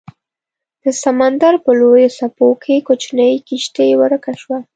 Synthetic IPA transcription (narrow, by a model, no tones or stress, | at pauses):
d̪̥əsamand̪aɾpəlojosapokʰekot͡ʃnəjkiʃt̪ewəɾkaʃwa